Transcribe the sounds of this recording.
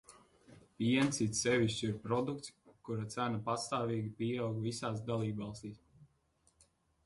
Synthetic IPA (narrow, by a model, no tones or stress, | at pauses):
piɛnt̪sit̪ssɛvʲiʃt͡ʃiɾpɾɔd̪ukt̪skuɾat̪sænapast̪aːviːɡʲipiɛawɡvisaːs̬d̪alˠiːbvɑlˠst̪iːs